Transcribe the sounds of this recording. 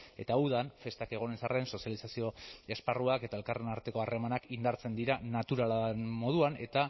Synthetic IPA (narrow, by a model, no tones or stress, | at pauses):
e̞t̪auðanfe̞st̪ake̞ɣ̞o̞nensare̞nso̞sjalisasio̞e̞sparuake̞t̪ae̞lkare̞naɾt̪e̞ko̞are̞manakind̪aɾt͡se̞nd̪iɾanat̪uɾalanmo̞ð̞uane̞t̪a